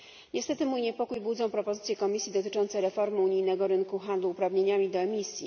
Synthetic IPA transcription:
ɲɛst̪ɛt̪ɘmujɲɛpɔkujbud̪zɔ̃w̃pɾɔpɔzɘt̪sʲjɛkɔmʲisʲjid̪ɔt̪ɘ̥t͡ʂɔnt̪sɛɾɛfɔɾmɘuɲijnɛɡɔɾɘnkuxand̪luːpɾavɲeɲamʲid̪ɔɛmʲisʲji

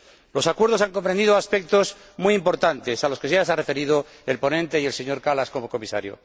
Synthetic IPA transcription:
lo̞sakwe̞ɾð̞o̞saŋko̞mpɾend̪iðoaspek̚t̪o̞z | miimpo̞ɾt̪ant̪e̞salo̞skeʝesare̞fe̞ɾiðo | elpo̞nẽnt̪eie̞lse̞ɲo̞ɾkalaskomoko̞misa̰ɾjo̰

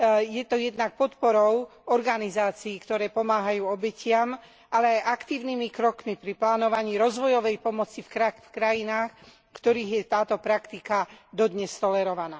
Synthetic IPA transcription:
jɛt̪ɔjɛd̪nak̚pɔt̪pɔɾɔʊɔɾɡanizaːt͡siːkt̪ɔɾɛːpɔmaːɦajuːɔbɛcɪam | ʔalɛajʔakt̪iːʊnimikɾɔkmipɾiplaːnɔʋaɲiːɾɔzʋɔjɔʋɛjpɔmɔt͡sifkɾafkɾajinaːx | kt̪ɔɾiːɣjɛt̪aːt̪ɔpɾakt̪ikad̪ɔd̪ɲɛst̪ɔlɛɾɔʋanaː

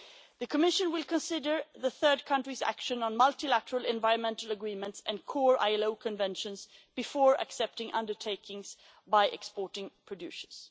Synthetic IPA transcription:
ðɨkʰəmɪʃɨ̃nwɪlˠkʰə̃nsɪdə˞ðəθɜ˞d̚kʰʌ̃ntɹ̥izæ̰kʃɨ̃nə̃nmʌlˠtilæɾəɹəlˠɛ̃nvaɪɹə̃nmɛ̃ntəl̩ˠəɡɹĩmə̃ntsɨ̃nkʰɔɹa̰ɪɛloʊkʰɨ̃nvɛ̃nʃɨ̃nzb̥ɨfɔːɹə̰ksɛp̚tɪ̃ŋʔʌ̰̃ndə˞tʰeɪkʰɪ̃ŋz̥ | baɪʔɛ̰kspɔɹɾɪ̃ŋpʰɹ̥ɨdʉ̰sə˞z̥

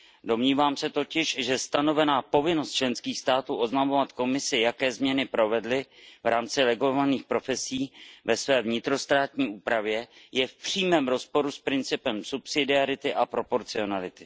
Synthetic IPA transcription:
do̞mɲiːvaːmsɛt̪o̞cɪʃʒɛst̪ano̞vɛnaːpo̞vɪno̞st̪̚t͡ʃlɛnskiːxst̪aːt̪uːʔo̞znamovat̪ko̞mɪsɪjakɛːzmɲɛnɪpɾo̞vɛdlɪvɾaːmt͡sɪlɛɡo̞vaniːxpɾo̞fɛsiːvɛsvɛːvɲɪt̪ɾo̞st̪ɾaːt̪ɲiːuːpɾavjɛjɛfpr̝̥iːmɛːmɾo̞spo̞ɾuspɾɪnt͡sɪpɛmsupsɪdɪaɾɪt̪ɪʔapɾo̞po̞ɾt͡sɪo̞nalɪt̪ɪ̥

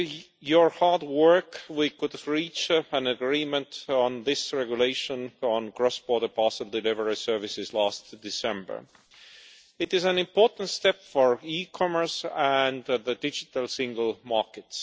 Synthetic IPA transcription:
jəɹhɑɹdwɜ˞kwikʊdɹit͡ʃæ̃nəɡɹiːmə̃ntɔ̃nðɪsɹɛɡjuleɪʃə̃nɔ̃nɡɹɔsb̥ɔɾdə˞pɑsəlˠdɪlɪvəɹisɜ˞vɪsɪzlæstd̥ɪsɛ̃mbə̰˞ | ɪtɪzæ̃nɪ̃mpʰoɹtn̩tstɛpfɔɹikʰɔmə˞sæ̃nðədɪd͡ʒɪtəlsɪ̃ŋɡəlˠmɑɹkɨts

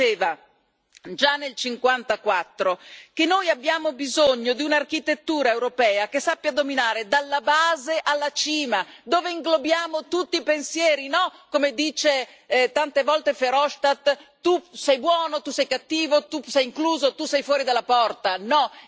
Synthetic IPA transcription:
eːva | d͡ʒanːelt͡ʃiŋkwant̪akwat̪ːɾok̟enːojabːjaːmobizoɲːod̪iunarkit̪et̪ːuːɾaewɾopɛːakesapːjad̪ominaːɾed̪alːabaːzeʔalːat͡ʃiːmad̪oːveiŋɡlobjaːmot̪ut̪ːipensjɛːɾinɔkomed̪iːt͡ʃe | t̪ant̪evɔlt̪efeɾɔʃt̪at̪ː | usɛjbwɔːnot̪usɛjkat̪ːiːvot̪usɛjiŋkluːzot̪usɛjfwɔːɾid̪alːapɔrt̪anɔ

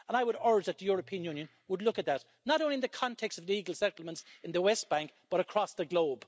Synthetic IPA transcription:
ə̃naɪwəɾə˞d͡ʒðət̪̚ðəjʊɹəpʰĩə̃njʉ̃njɨ̃n | wədˡlʊkɨt̪̚ðətⁿ | nəɾõʊ̃nliɨ̃nðəkʰɑ̃ntʰɛkstʌvliɡəlˠsɛɾl̩ˠmə̃ntsɪ̃nðəwɛs̚b̥æ̃ŋk̚b̥ʌɾəkʰɹ̥ɔsðəɡloʊb̥

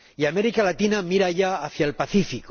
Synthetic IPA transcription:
iame̞ɾikalat̪inamiɾaʝaːθjaelpaθifik

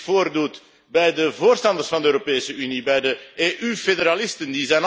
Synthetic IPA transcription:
foːrdut | bɛjdəvoːrstɑndərsfɑnd̪əøːɾopeːsəynibɛjdəeːʔyfedeɾalɪstəndizɛjn

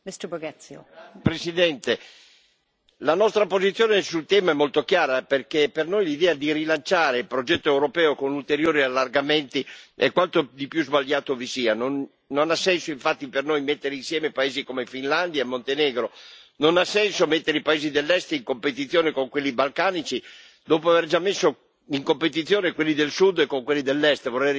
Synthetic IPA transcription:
mɪstəbəɡat̪sjopɾesid̪ɛnt̪e | lanɔst̪ɾapozit̪sjoːnesult̪ɛːmaɛmːolt̪okjaːɾaperkepernojlid̪ɛːad̪iɾilant͡ʃaːɾeilpɾod͡ʒɛt̪ːoewɾopɛːokonult̪eɾjoːɾialːarɡament̪iḛkwant̪od̪ipjuzbaʎjːaːt̪ovisiːanonː | onasːɛnsoiɱfat̪ːipernojmet̪ːeɾeinsjɛːmepaeːzikomefinland̪jaemːont̪enɛːɡɾononasɛnsomet̪ːeɾeipaeːzid̪elːɛst̪iŋkompet̪̬it̪θːjoːnekoŋkwelːibalkaːnit͡ʃi | d̪oːpoaverd͡ʒamːesːo | iŋkompet̪̬it̪sːjoːnekwelːid̪elsud̪ekːoŋkwelːid̪elːɛst̪vorːɛj

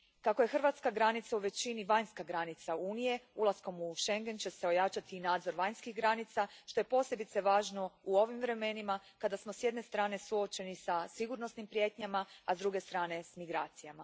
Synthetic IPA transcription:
kakoje̞xr̩ʋat̪skaɡɾanit̪sauʋe̞t͡ɕiniʋajnskaɡɾanit̪sauːnije̞ulˠasko̞muʃe̞ŋɡent͡ɕe̞se̞o̞jat͡ʃat̪iːnaːd̪zo̞ɾʋajnskixɡɾanit̪saʃt̪o̞je̞po̞ːse̞bit̪se̞ʋaːʒno̞uo̞ʋimvɾe̞me̞nimakad̪asmosje̞d̪ne̞st̪ɾaːne̞suo̞t͡ʃe̞nisasiɡuɾno̞snimpɾje̞ːt̪ɲamaːzd̪ɾuɡe̞st̪ɾaːne̞smiɡɾaːt̪sijama

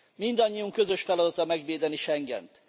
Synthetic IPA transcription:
mind̪ɒɲːijuŋkø̞zø̞ʃfɛlɒd̪ɒt̪ɒmɛɡʋeːd̪ɛniʃɛŋɡɛ̰nt̪

